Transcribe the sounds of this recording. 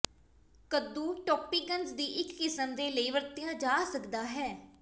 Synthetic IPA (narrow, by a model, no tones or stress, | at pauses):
kəd̪ũːʈɔːpiːɡənzd̪iːʔɪkːɪsəmd̪eːləiːʋəɾt̪ɪjãːd͡ʒaːsəkd̪aːɦɛː